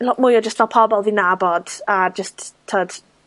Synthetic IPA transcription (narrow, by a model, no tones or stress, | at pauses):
lɔʔmʊjɔd͡ʒəstʰvɛlˠpʰɔbɔlˠvinabɔd̥ad͡ʒəstʰːəːd̥